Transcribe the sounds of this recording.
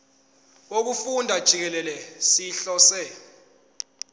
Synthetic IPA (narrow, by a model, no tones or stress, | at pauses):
ok̬ufundʱad̥ʒ̥ʱik̬ɛlɛlɛsiɬɔsɛ